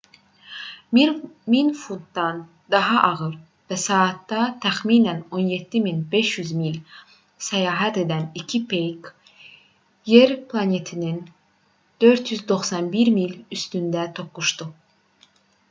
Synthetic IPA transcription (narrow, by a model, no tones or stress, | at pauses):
minfut̪d̪ɑn | d̪ɑɦɑʔɑɣɯɾ | væsɑːt̪ːɑt̪ʰæxmiːnæno̞njet̪ːiminbe̞ʃjyzmil | sæjɑːɦæt̪e̞d̪ænicʰipʰejk | jeɾpʰlˠɑne̞t̪ʰinin | d̪̥ø̞ɾt̪ʰjyzd̪o̞χsɑnbiɾmilyst̪ynd̪æt̪ʰo̞pːuʃt̪u